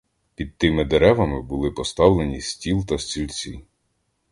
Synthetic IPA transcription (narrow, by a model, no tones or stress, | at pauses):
pʲid̪̚t̪ɪmɪd̪eɾɛʋɐmɪbʊlˠɪpɔst̪ɑwlˠenʲisʲtʲilˠt̪ɐsʲt͡sʲilʲt͡sʲi